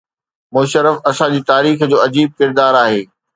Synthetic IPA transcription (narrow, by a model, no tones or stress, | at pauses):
mʊːʃəɾəfɐsãd͡ʑiːt̪aːɾiːxd͡ʑoːɐd͡ʑiːb̚kɪɾd̪aːɾaːɦeː